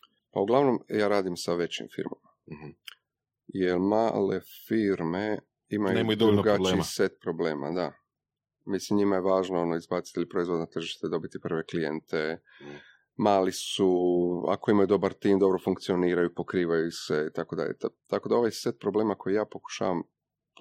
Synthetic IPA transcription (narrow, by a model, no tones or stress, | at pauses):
pa̰uɡlˠaʋno̞mjaːɾaːd̪imsaʋe̞t͡ɕḭmfḭɾmama | jelma̰lefiɾme | imajunemod̪oɾuɡalːiset̪̚pɾo̞ble̞ːma̰d̪a | mislimɲimajeʋaːʒnoo̞noizbaːt̪si̥t̪ilipɾo̞izvʋo̞d̪nat̪r̩ʒiʃt̪ed̪o̞bit̪ipər̩ʋe̞klijḛnt̪e | maːlisua̰ko̞imajud̪o̞baɾt̪iːmd̪o̞bɾo̞fuŋk̚t̪sio̞niːɾajupo̞kɾiːʋajuse̞it̪ako̞d̪a̰ʎʲḛt̪at̪ako̞d̪ao̞ʋajset̪̚pɾoble̞ːmako̞jijaːpo̞ku̥ʃa̰ːʋam